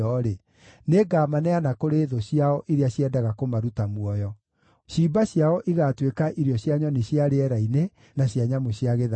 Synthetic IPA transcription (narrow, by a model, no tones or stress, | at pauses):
ɔɾe | neɡaːmanɛanakoɾeðoɕiaɔʔiɾeaɕjɛdaɣakomaɾutamwɔjɔ | ɕiːbaɕjaɔʔiɣatwekaʔiɾjɔɕjaɲɔneɕjaɾeɛɾaine | naɕjaɲamoɕjaɣeða